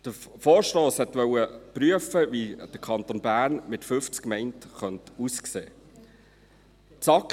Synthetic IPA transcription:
d̥əfoːɾʃtɔːshɛt̪ʋœwəpɾyəfəʋid̥əkʰɑntonbæːɾnmɪtfʏft͡skmɛɪntχœntuskseː | t͡sɑk

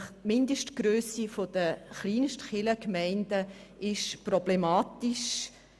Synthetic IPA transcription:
χmɪndəʃtɡ̥ɾøːsifod̥əχliːnʃtχɪləkmæɪndə | ʔɪʃprɔblemɑːtiʃ

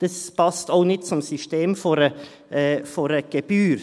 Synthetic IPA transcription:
d̥ɛspʰɑst̪aʊnɪt̚t͡sɔmsʏʃteːmfɔɾə | ʔɛːfɔɾəɡ̥əb̥yːɾ

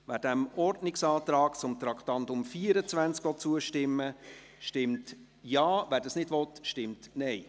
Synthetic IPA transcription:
ʋæːɾd̥æmɔrdnɪksɑːt̪ɾɑːkt͡sʊmt̪ɾɑktɑntʊmfiːəɾət͡sʋænt͡skʋɔt͡suəʃtɪmːə | ʃtɪmt | jɑːʋæːɾdɑsnɪdvɔtʃtɪmtnɛɪ

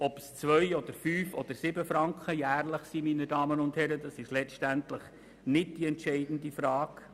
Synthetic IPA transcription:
ɔpst͡svœjɔd̪əɾfyːfɔd̪̥əɾsɪbəfɾɑŋkχəjæːrləχsiminədɑːmənʊnthɛɾədɑsɪʃlɛʃtænt̪ləχ | nɪd̚d̥iɛntʃɛɪdn̩d̪ifɾɑːk

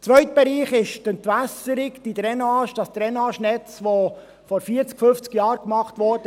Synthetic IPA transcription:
t͡sʋœʏt̪b̥ɛɾiːχɪʃtəntʋæsəɾɪkd̥id̪ɾɛnɑːʃd̥ɑsd̥̪ɾɛnɑːʃnɛt͡sʋo | fɔɾfiːəɾt͡skfɵft͡skjɑːɾkmɑχtʋɔɾd̥ə

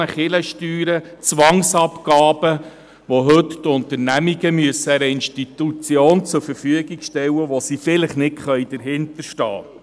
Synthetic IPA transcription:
əχɪləʃtyːɾət͡sʋɑŋsɑpkɑːbə | ʋoɦɵttʊnt̪əɾnæmiɡəmyəsːəɛɾəɪnʃtit̪ut͡sjoːnt͡sʊɾfəɾfyəɡiɡʃtɛwəʋosifɪləχnɪtχœjd̥əɾɦɪnt̪əɾʃtɑ̰ː

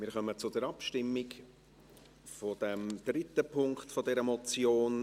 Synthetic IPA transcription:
mɪːɾχœmət͡sʊdɛɾɑpʃtɪmːɪk | fod̥ɛmd̪̥ɾɪt̪əpʰʊŋkt̪fodɛɾəmɔt͡sjoːn

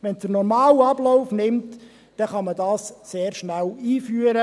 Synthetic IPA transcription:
ʋɛnd̥ənɔɾmɑːlɑblɔʊfnɪmt | d̥ɛχɑmədɑːsseːɾʃnæliːfyːəɾə

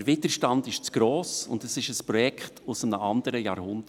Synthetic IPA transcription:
əɾvɪdəɾʃtɑndɪʃt͡sɡ̥ɾoːsʊ̰ndəsɪʃəspɾɔjɛkχtʊsəmnəɑndəɾəjɑːɾhʊndə

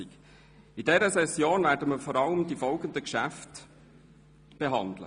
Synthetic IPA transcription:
ik | idɛɾəsɛsjoːnvæːɾdəməfɔɾɑləmdifɔlɡəndəkʃæft | b̥eɦɑnd̪lə̰

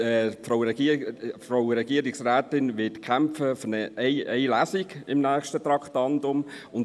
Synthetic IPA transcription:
ɛfɾaʊɾɛɡifɾaʊɾɛɡ̥iəɾiksrɛːtɪnʋɪtkʰæmfəfnɛɛɪɛɪlæːsiɡɪmnæːxʃtət̪ɾɑkχtɑntʊm | ʊn

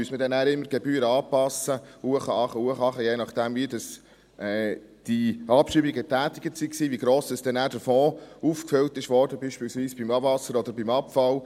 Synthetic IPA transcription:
myəsmədɛnæːɾɪmːəɾɡ̥ɛbyːɾɑːpɑsəhuəχəɑχəhuəχɑχəjeːnɑχd̥æmvidɑs | ʔɛ | d̥iɑpʃibiɡətæːt̪ɪɡ̥ətsiksiːʋiɡɾoːsɛsd̥ɛnæːɾdəɾfɔːufkføltɪʃʋɔːɾdəbiːʃpiːlsviːsb̥imɑvɑsəɾɔd̥̪əɾbimɑpfɑl

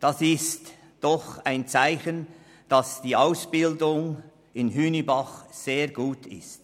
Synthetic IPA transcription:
d̥ɑsɪst | d̥ɔχaɪnt͡saɪçən | d̥ɑsd̥iːaʊsb̥ɪldʊŋ | ɪnɦyːnibɑχz̥eːɐɡuːtʰɪ̰st

